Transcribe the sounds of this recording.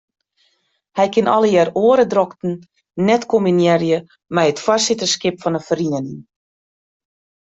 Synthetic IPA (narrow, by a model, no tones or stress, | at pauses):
hɛjkɪnɔ̰ləjɛːroəɾədrɔktn̩ | nɛtkominjɛrjə | mɛjətfwasɪtəskɪpfɔnəfəriəniŋ